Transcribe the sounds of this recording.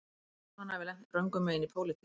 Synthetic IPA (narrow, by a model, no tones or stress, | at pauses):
hanːavɪlɛn̥t̪rœŋkʏmɛðɪnipʰoːwlɪt̪ʰi